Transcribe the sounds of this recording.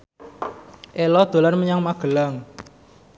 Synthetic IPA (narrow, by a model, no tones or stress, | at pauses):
ʔelɔd̪̥o̤larməɲaŋmaɡ̥ə̤laŋ